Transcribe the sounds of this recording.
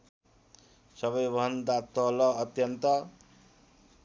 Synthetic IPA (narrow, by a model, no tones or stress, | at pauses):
sʌbʌjbʱʌnd̪at̪ːʌlʌːt̪jʌnt̪ʌ